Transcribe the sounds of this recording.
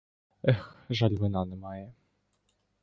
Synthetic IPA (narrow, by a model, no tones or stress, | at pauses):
ɛxʒɑlʲmɪnɑnɛmɑjɛ